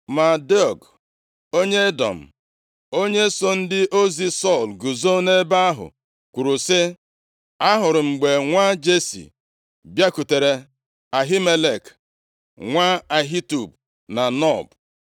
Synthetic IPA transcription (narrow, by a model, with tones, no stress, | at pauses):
ma˨de˦ɔ˨ɡ | o˦ɲe˦e˦dɔ̰˨m̩˨ | o˦ɲe˦so˦n̩˦dɪ˦ʔo˦zi˦sɔ˦˨lɡu˨zo˦ne˦ba˦a˦ɦʊ̰˨ | kʷu˨ɾu˨sɪ˦ | a˦ɦʊ˨ɾɪ˨ŋ͡m̩˨ɡ͡be˨ŋʷa˦d͡ʒe˦sḭ˨ | bja˦ku˨te˨ɾe˨ | a˨ɦi˦me˦le˦˨k | ŋʷa˦a˨ɦi˦tu˨b̚ | na˨nɔ˦˨b